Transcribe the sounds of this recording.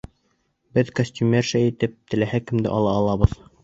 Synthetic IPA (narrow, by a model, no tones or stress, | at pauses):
bɘðkosʲtʲumʲerʃæit̪ɘp̚t̪ɘ̆læhækːɘ̆md̪ɘ̰ʔɑlˠɑːlˠɑβɤð